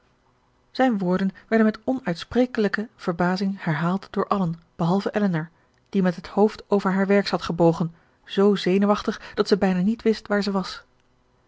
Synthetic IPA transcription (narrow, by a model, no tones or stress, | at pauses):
z̥ɛjnʋʊːɹdənʋɛɹdənmɛtɔnœɥtspreːjkələkəv̥əɹbaːzɪŋhɛɹɦaːlˠtd̥ʊːɹʔɑlənb̥əɦɑlˠvəʔɛlənəɹ | d̥imɛtɦəthowftoːwvəɹɦaːɹʋɛɹkshɑtχəbowχən | z̥owzejnuʋɑχtəχd̥ɑtsɛbɛjnaːnitʋɪstʋaːɹzɛʋɑs